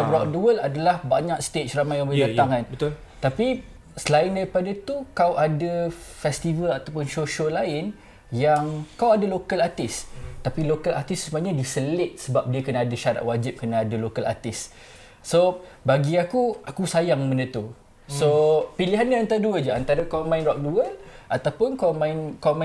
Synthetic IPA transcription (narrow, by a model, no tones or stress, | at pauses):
ɾaʔduwəladalahbaɲak̚st̪et͡ʃramãjaŋbədat̪aŋanbət̪ | t̪api | səlaɪndaɾipadat̪ukawʔadəfɛst̪ivəlat̪apʊnsoʃəlaɪn | jaŋkawadalokəlat̪ɪst̪apilokəlat̪ɪssəmaɲãdisəlɪt̪̚səbap̚diəkənaːdəʃaɾa̰t̪̚wad͡ʒɪp̚kənaadəlokəla̰t̪ɪsː | o | baɡiakuakusajaŋmə̃ndət̪u | sopiliɦanɲaant̪aɾduəd͡ʒaant̪aɾəkawmãɪnɾɔk̚duəʔat̪apʊnkawmãɪnkama